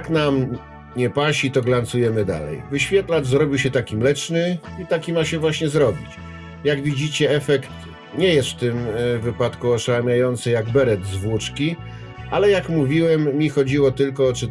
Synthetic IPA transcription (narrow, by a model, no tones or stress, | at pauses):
knam | ɲɛpaɕit̪ɔɡlansujɛmɘd̪a̰lɛ̰jvɘɕfʲjɛt̪lad͡zzɾɔbʲiwɕɛt̪akʲimlɛt͡ʂnɘit̪akʲimaɕɛvwaɕɲɛzɾɔbʲit͡ɕ | jaɡvʲid͡ʑit͡ɕɛɛfɛkt̪ | ɲɛjɛst̪ft̪ɘmvɘpat̪kuɔʂamʲjajɔnt̪sɨjaɡbɛɾɛd̪zvwut͡ʂkʲi | alɛjakmuvʲiwɛmːʲixɔd͡ʑiwɔt̪ɘlkɔt͡ʂɨ